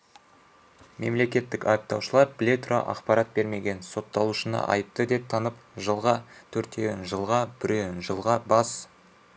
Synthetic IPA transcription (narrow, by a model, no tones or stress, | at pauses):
me̞mle̞kʲe̞t̪ːɪkɑjəp̚t̪ɑwʃəlˠɑɾblet̪ro̰ʔɑ̰qpɑɾɑt̪̚be̞ɾme̞ɡʲe̞nso̞t̪ːɑlˠuʃənɑ̰ʔɑ̰jəp̚t̪əd̪e̞p̚t̪ʰɑnəpʒəlˠʁɑt̪ʰɵɾt̪e̞ɡnʒəlˠʁɑbɪɾenʒəlˠʁɑbɑs